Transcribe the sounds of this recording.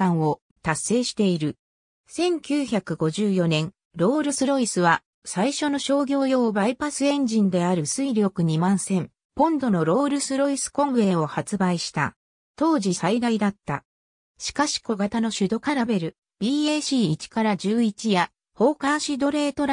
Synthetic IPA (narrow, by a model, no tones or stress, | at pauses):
ãɰ̃o̞ | t̪asːe̞ːɕi̥t̪e̞iɾɯ̟ | sẽ̞ŋkʲɨːçakɯ̟ɡo̞ʑɨːjo̞nẽ̞ŋ | ɾo̞ːɾɯ̟sɨɾo̞isɨβa | saiɕo̞no̞ɕo̞ːɡʲo̞ːjo̞ːbaipasɨẽ̞ɲd͡ʑĩnd̪e̞aɾɯ̟sɨiɾʲo̞kɯ̟ɲ̟imãɰ̃sẽ̞m | põ̞nd̪o̞no̞ɾo̞ːɾɯ̟sɨɾo̞isɨ̥kõ̞ŋɡe̞ːo̞hat͡sɨbaiɕi̥t̪a̰ | t̪o̞ːʑisaid̪aid̪at̪ːa̰ | ɕi̥kaɕi̥ko̞ɡat̪ano̞ɕɨd̪o̞kaɾabe̞ɾɯ̟ | b̥ʲiːeɕiːt͡ɕi̥kaɾad͡ʑɨːit͡ɕija | ho̞ːkaɕid̪o̞ɾe̞ːt̪o̞ɾ